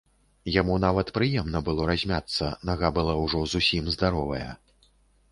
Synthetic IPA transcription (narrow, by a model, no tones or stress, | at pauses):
jamun̪avɐt̪pɾɨjɛmnɐbɨlˠɔɾazʲmʲat̪sːɐnaɣabɨlˠawʐɔzusʲimzd̪aɾɔvɐjɛ̰